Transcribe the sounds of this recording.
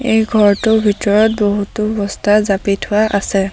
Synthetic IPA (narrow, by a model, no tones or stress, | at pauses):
ejɡʱɔɹtʊbʱitɔɹɔt̚boɦutʊbɔstʰazapitʰʊwaʔasɛ